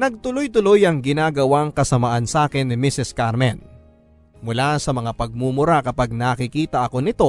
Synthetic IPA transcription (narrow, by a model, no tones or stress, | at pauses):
nɐɡ̚t̪ʊlo̞jt̪ʊlo̞jɐŋɡɪnaːɡɐwaŋkɐsɐmaʔɐnsaːkɪnːɪmisɪskaɾmɛn | mʊlasɐmɐŋapɐɡ̚muːmʊɾakɐpaɡ̚nakɪkiːt̪ɐʔɐko̞nɪt̪o̞